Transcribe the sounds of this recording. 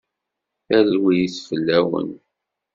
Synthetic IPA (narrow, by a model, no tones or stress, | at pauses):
θælwijisfəlːæwə̰n